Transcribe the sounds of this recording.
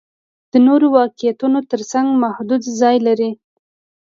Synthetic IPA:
d̪̥ənoɾowɑqɪjat̪unot̪əɾsaŋɡmahd̪ud̪zɑjlaɾi

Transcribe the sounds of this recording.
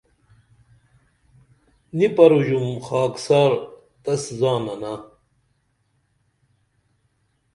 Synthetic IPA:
nipɐɾuʑumxaːksaːɾ | t̪ɐszaːnɐna

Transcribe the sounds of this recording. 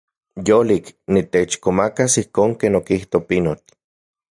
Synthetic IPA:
joliknit̪et͡ʃkomakasihkoːŋkeːnokiht̪opinot̪

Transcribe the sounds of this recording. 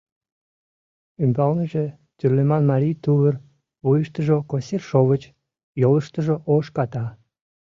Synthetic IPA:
ymbɑlnəʒe | t̪yrlemɑnmɑɾʲijt̪uβər | βujəʃt̪əʒokosirʃoβət͡ɕ | joləʃt̪əʒoʔoʃkɑt̪ɑ

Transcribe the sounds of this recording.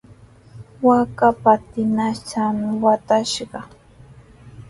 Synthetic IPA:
wakapat̪ɪnat͡ʃamɪwat̪aʃɢɑ

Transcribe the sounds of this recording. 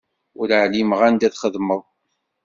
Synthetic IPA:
ʊɾəʕlimʁænd̪æθχəðməðˤ

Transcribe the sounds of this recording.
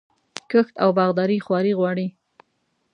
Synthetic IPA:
kəxt̪awbɑɣd̪ɑɾixwɑɾiɣwɑɽi

